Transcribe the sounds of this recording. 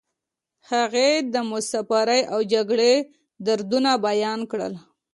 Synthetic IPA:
haɣed̪əmʊsapaɾəjʔawd͡ʒaɡɽe | d̪aɾd̪unabajɑnkɽə̰l

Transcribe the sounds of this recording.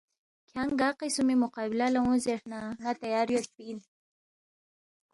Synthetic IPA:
kʰjaŋɡɑqisumimʊqɑbɪlalawũzeʂnanat̪ajɑɾjospin

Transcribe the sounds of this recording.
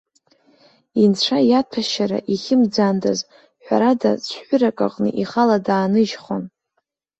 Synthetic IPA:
int͡ɕʷʰajatʰaʃaɾa̰ʔiχʲɪmd͡zandaz | ħᶣʷa̰ɾada̰t͡ɕʷʰħʷʊɾakʼa̰qʼnɨ̰ʔiχaladaːnɨʒχon

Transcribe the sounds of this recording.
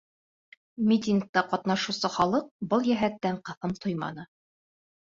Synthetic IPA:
mʲit̪ʲiŋk̚t̪ɑqɒt̪nɑʃusɤχɒlˠɤq̚bɤlˠjæɦæt̪ːæɴqɤ̆θɤmt̪ʰojmɑ̰nɤ

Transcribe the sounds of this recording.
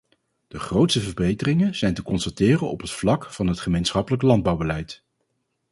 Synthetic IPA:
d̥əχrowtstəvəɹbejtərɪŋənz̥ɛjntəkɔnstatɪːrənɔ̰pɦətflɑkfɑnɦətχəmejnsχɑpələklɑnd̚bɑwbəlɛjt

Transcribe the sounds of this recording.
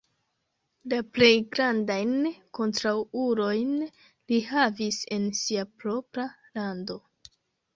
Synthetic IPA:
laple̞jɡɾandajnko̞ntɾawuɾo̞jn | lihavise̞nsiapɾo̞pɾa | lando̞

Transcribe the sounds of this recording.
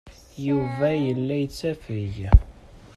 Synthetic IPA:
juvæjəlːæjət͡sːæfiʝ

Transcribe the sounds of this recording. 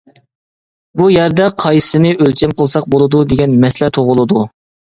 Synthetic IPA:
bujɛɾd̪ɛqʰɑjsɨnɨʔølt͡ʃʰɛmqəlˠsɑq̚bolˠɨd̪ud̪eɡʲɛnmɛslɛt̪ʰoʁʊlˠɨd̪u

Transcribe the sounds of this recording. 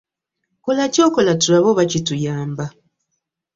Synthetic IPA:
kolacokolatulaβoβacitujaːmba

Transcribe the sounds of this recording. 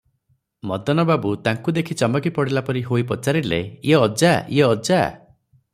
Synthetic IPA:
mɔd̪ʱɔnɔbabut̪aŋkud̪ekʰit͡ʃɔmɔkipɔɽelapɔɾiɦoipɔt͡ʃaɾilḛjeɔd͡ʒajeɔd͡ʒa

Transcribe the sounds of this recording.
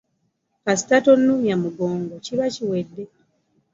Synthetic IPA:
kasi̥tatonːujamuɡoːŋɡociβaciwedːe̞

